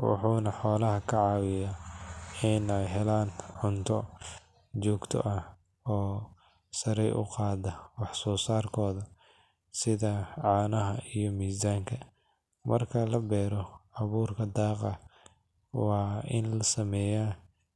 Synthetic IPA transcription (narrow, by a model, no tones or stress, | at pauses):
wɑ̰ħuːnɐħɔːlɐɦɐkʰɐʕɑːwɪja | ɪnɛjɦɛlaːnʕʊnt̪ʰɔ | t͡ʃɔːɡt̪ʰɔ̰ʔɐ | ɔː | sɐɾɛjʔʊ̰qɑːðɐwɑħsɔːsaːrkʰɔːðɐ | sɪðɐʕɑːnɐɦɐijɞmiːsaːŋkʰɐ | mʔɐ̰rkʰɐlɐbɛːɾɔʕɑβuːrkʰɐd̪ɑːqɑ | wɑːɪ̰nlɐsɐmɛːjaː